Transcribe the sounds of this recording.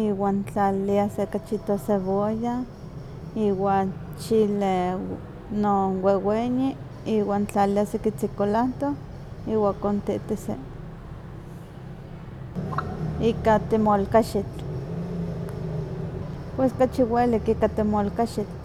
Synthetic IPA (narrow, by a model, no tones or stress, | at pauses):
iwaːnt͡ɬaliasekat͡ʃit̪oseβoja | iwat͡ʃile | noweweɲi | iːwaːnt͡ɬaliasekit͡sikolant̪o | iwakont̪iʔt̪isḛ | ikat̪emolkaʃit͡ɬ | pweskat͡ʃiwelikikat̪emolkaʃit͡ɬ